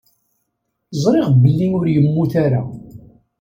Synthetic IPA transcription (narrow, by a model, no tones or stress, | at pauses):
zˤɾˤeʁbəlːinʊɾjəmːuθaɾa